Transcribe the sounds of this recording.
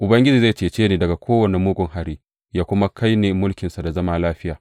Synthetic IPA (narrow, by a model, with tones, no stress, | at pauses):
ʔʊ˨bɐ˦ŋɡʲɪ˦d͡ʒiː˨za˦˨jt͡ʃeː˨t͡ʃeː˦neː˨dɐ˨ɡa˨kʷoː˦wɐ˨ne˨muː˦ɡʷʊ˨ŋɦa˨ɾiː˦ | jaː˦kʷʊ˦ma˦kʰa˦jneː˨mʊ˦lkʲɪ˨nsa˨da˨zɐ˦maː˦laː˦ɸɪ˦jaː˨